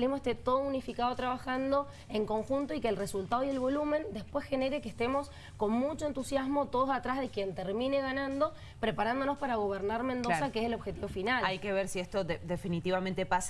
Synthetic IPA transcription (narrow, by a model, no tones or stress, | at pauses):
lemoest̪et̪o̞ðounifikað̞ot̪ɾaβaxand̪o | e̞ŋko̞ŋxunt̪o̞ikeːlresult̪aðoje̞lβo̞lumẽ̞nd̪e̞spwe̞sxe̞neɾekest̪e̞mo̞s | ko̞nmut͡ʃo̞e̞nt̪usjazmo̞t̪o̞ð̞osat̪ɾazðe̞kje̞nt̪eɾmine̞ɣanãnd̪o̞ | pɾepaɾand̪onospaɾaɣ̞o̞β̞eɾnaɾmẽnd̪osakeeselo̞βxet̪iβo̞finalaajkeβeɾsiest̪oðed̪efinit̪iβamẽnt̪epas